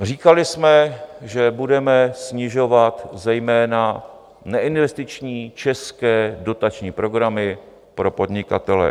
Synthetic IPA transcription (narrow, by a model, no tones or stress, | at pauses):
r̝iːkalɪsmɛʒɛbudɛmɛsɲɪʒo̞vat̪zɛjmɛːna | nɛʔɪnvɛst̪ɪt͡ʃɲiːt͡ʃɛskɛːdo̞t̪at͡ʃɲiːpɾo̞ɡɾamɪ | pɾo̞po̞dɲɪkat̪ɛlɛ̰